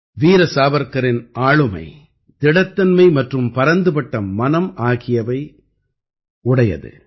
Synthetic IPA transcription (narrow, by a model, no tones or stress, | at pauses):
ʋiːɾɐsaːbɐɾkɐɾɪnʔaːɻɯmɐ̰ɪ | t̪ɪɽɐt̪ːɐnmɐɪmɐʈrɯmpɐɾɐnd̪ɯpɐʈːɐmɐnɐmaːɣɪjɐʋɐɪ | ʊɽɐjɐ̰ðɯ̰